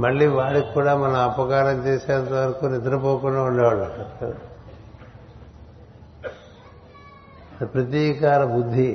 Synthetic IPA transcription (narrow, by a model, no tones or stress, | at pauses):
mɐɭːiːʋaːɽikkːuːɽaːmɐnɐɐpɐkaːɾɐmt͡ʃeːseːɐnt̪ɐʋɐɾɐkunid̪ɾɐpoːkunɖaːuɳɖɐʋaɭɐ | pɾɐt̪iːkaːɾɐbud̪ʱːi